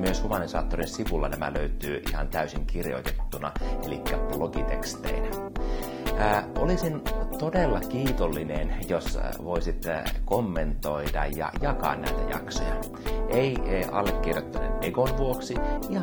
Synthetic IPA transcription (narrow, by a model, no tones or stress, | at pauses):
myøshumɑnisɑːt̪ːorinsiʋulːɑnæmæ̰løyt̪yːʔihɑ̰nt̪æysiŋkirjo̰it̪et̪ːunɑelikːæploɡ̥it̪ekst̪ḛinæ | ʔolisint̪odelːɑkiːt̪olːinenjosʋoisit̪komːent̪oidɑ̰jɑ̰jɑkɑ̰ːnnæ̰it̪æ̰jɑ̰kso̰jɑ | ʔeiɑlːekːirjot̪ːɑnḛneɡonʋuoksiihɑ